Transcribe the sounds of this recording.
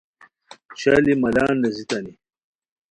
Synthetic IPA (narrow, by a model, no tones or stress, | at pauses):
t͡ɕalimɐlaːnːɐzit̪ɐni